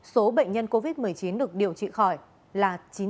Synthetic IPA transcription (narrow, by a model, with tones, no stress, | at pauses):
so˨˦ɓə̰˧˨jŋ̟ɲə˧nko˧vi˦˥t̚mɨ˨˩əjt͡ɕi˨˦nɗɨ˨˩ək̚ɗi˨˩əwt͡ɕḭ˧˨xɔ˧˩j | laː˨˩t͡ɕi˨˦